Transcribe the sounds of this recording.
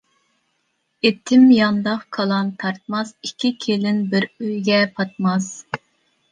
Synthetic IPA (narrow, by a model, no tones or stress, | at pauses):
et̪ʰːɪmjɑnd̪ɑqkʰɑlˠɑnt̪ʰɑɾt̪̚mɑsikʲʰːikʲʰelɪnbɪɾøjɡʲɛpʰɑt̪̚mɑs